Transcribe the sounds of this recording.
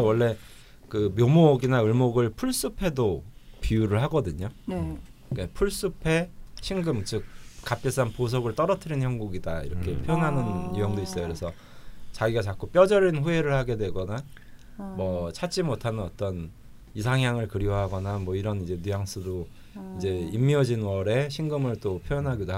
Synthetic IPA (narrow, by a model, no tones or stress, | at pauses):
awʌɭːe̞ | kɯmjomoɡinaɯɭmoɡɯɭpʰuɭs͈upʰe̞dopiuɾɯɭɦaɡʌdɯɲo | kepʰuɭs͈upʰe̞ɕʰiŋɡɯmt͡ɕɯk̚k͈ːap̚k͈es͈anpos̬ʰʌɡɯɭt͈ʌɾʌtʰɯɾinçjʌŋɡuɡida̰ḭɾʌkʰe̞pʰjʌnɦanɯnijʌŋdois͈ʌjokɯɾe̞sʰʌ | t͡ɕaɡiɡat͡ɕak͈up͈jʌd͡ʑʌɾinɸue̞ɾɯɭhaɡe̞dweɡʌna | mwʌt͡ɕʰat͡ɕ͈imotʰanɯnʌt͈ʌn | isʰaŋjaŋɯɭkɯɾiwʌɦaɡʌnamwʌiɾʌnid͡ʑe̞nujaŋs͈ʰudo | id͡ʑe̞imːiʌd͡ʑinwʌɾe̞ɕʰiŋɡɯmɯɭt͈opʰjojʌnɦaɡid